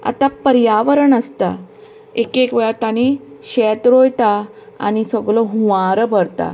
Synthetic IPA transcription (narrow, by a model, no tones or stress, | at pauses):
a̰t̪apəɾjaʋəɾəɳəst̪a̰ | ekekʋɛɭat̪añiɕɛt̪ɾojt̪a | a̰ñisəɡloɦũʋaɾəbʱəɾt̪a̰